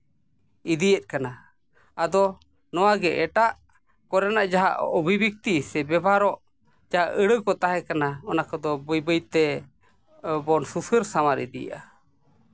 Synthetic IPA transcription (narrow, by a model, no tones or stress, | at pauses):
id̪ijɛt̪̚kana | ad̪ɔ | nɔwaɡɛʔɛʈaʔ | kɔɾɛnaʔd͡ʒaɦa̰ʔɔbʱibik̚t̪isɛbɛbʱaɾɔʔ | d͡ʒaɦaʔəɽəkɔt̪aɦɛkanaɔnakɔd̪ɔbəjbəjt̪ɛ | bɔnsusəɾsamaɾḭd̪ija̰ʔa